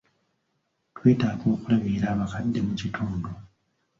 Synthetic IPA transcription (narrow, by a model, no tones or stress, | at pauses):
twe̞ːtaːɡo̞ːkulaβiːɾaːβakadːe̞mucitʰuːndu